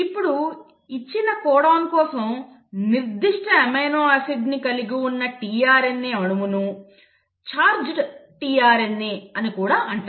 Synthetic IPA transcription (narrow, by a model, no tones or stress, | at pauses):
ipːuɽu | it͡ʃːinɐkɔːɽaːnkɔːsɐm | niɾd̪iʂʈɐemɐjnoːɐsid̪nikɐliɡiunːɐʈiːjaːɾenːeːɐɽumunu | t͡ʃaːɾd͡ʒʈiːjaːɾenːeɐnikuːɽaːʔɐɳʈa